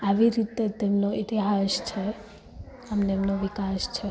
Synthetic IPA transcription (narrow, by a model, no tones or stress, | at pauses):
aʋiɾit̪et̪emnoʔit̪iɦaʃt͡ʃʰe | amneemnoʋikaʃt͡ʃʰe